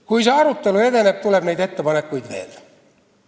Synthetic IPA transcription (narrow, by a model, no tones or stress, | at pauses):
kuiseɑrut̪ːeluet̪enept̪uleb̥meit̪et̪ːæpɑnːekkuit̪t̪ḛːl